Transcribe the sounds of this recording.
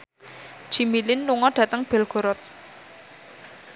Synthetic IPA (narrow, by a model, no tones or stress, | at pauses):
ʒ̥i̤milɪnluŋɔɖ̥ä̤t̪əŋb̥ɛ̤lɡ̥o̤ɾɔt̪̚